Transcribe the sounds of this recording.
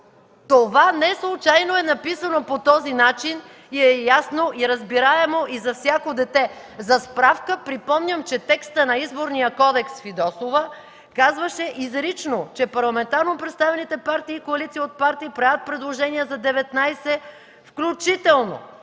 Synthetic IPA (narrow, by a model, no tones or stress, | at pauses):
t̪ovanɛslˠʊt͡ʃajnoɛnɐpisɐnopot̪ɔzinat͡ʃin | iɛjasnoʔiɾɐzbiɾaɛmoizɐfsʲjakod̪ɛt̪ɛ | zɐspɾafkəpɾipɔmnʲəmt͡ʃɛt̪ɛkst̪ənɐizboɾnijəkɔd̪ɛksfid̪ɔsovə | kazvəʃɛʔizɾit͡ʃnot͡ʃɛpɐɾlˠɐmɛnt̪aɾnopɾɛt̪st̪avɛnit̪ɛpaɾt̪iːkoɐlit̪siːot̪̚paɾt̪iːpɾajət̪̚pɾɛd̪lˠoʒɛniəzɐd̪ɛvɛt̪najsɛ | fklʲut͡ʃit̪ɛlˠno̰